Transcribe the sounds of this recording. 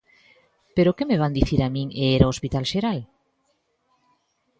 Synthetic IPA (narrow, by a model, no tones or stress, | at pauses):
peɾokemeβand̪iθiɾamĩŋeeɾaospit̪alʃeɾal